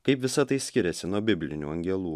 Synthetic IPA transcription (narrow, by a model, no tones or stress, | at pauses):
kɐɪpʋʲɪsɐt̪ɐɪsʲkʲɪɾʲɛsʲɪnuɔbʲɪbʲlʲɪ̰nʲṵːɐŋʲɡʲɛlˠuː